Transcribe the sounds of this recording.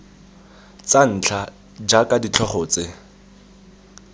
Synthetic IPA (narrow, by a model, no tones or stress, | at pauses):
t͡san̩ːt͡ɬʰa | d͡ʒakʼadit͡ɬʰɔχɔːt͡sɪ